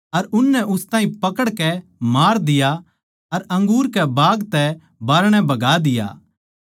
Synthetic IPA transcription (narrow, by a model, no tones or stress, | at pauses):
ɐɾʊnːɛʔʊst̪ãːɦĩpɐkəɽkɛmaːɾd̪ɪja | ɐɾɐ̃ŋɡuːɾkɛbaːɡt̪ɛ | baːɾɽ̃ɛ̃bɐɡaːd̪ɪja̰ː